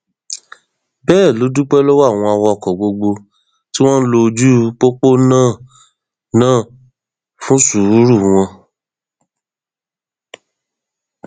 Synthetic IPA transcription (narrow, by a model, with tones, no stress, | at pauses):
bɛː˦˨lo˨˦du˦k͡pɛ˦lo˦wa˦˨w̃ɔ̃˧a˧wɔ˧ɔ˧˨kɔ˨ɡ͡bo˧ɡ͡bo˧ | ti˦w̃ɔ̃˦n̩˦lo˧d͡ʒu˦k͡po˦k͡po˦nãː˦˨ | nãː˦˨ | fũ˦su˨ɾu˨˦ɾu˦˨w̃ɔ̃˧